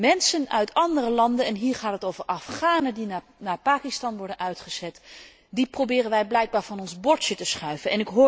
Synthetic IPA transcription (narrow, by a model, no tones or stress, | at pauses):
mɛnsənœ̰ɥtɑndərəlɑndənɛnɦiːɹχaːtɦətowvəɹɑfχaːnədina | naːɹpaːkɪstɑnʋɔɹdənœɥtχəz̥ɛt | diprowbɪːrənʋɛjblɛjɡ̚baːɹvɑnɔnzbɔɹt͡ʃətəsχœɥvənɛnɪkɦʊː